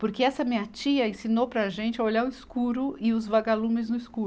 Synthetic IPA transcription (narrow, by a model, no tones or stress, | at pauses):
poɾkeɛsɐmiɐt͡ʃiɐẽsinowpɾɐʒẽnt͡ʃɪɐoʎaɾʊiskuɾʊɪʊzvaɡalũmɪznʊiskuɾ